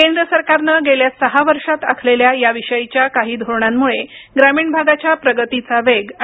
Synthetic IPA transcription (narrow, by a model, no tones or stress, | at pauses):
kend̪ɾəsəɾkaɾnəɡeljasəɦaʋəɾʂat̪akʰleljajaʋiʂəjit͡ɕjakaɦiːd̪ʱoɾɳamːuɭeɡɾamiːɳbʱaɡat͡ɕjapɾəɡət̪it͡saʋeɡ